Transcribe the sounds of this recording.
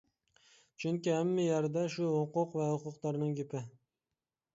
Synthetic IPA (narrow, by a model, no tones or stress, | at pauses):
t͡ʃʰʊŋkʲɪamːajaɾd̪aʃʊhʊqʊqvahʊqʊqt̪ɑɾnɪŋɡʲepɪ